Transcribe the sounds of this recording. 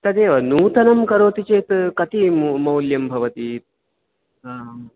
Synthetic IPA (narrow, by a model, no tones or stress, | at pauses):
t̪ɐd̪eːʋɐnuːt̪ɐnɐmkɐɾoːt̪it͡ʃeːt̪kɐt̪immɐwljɐmbʱɐʋɐt̪i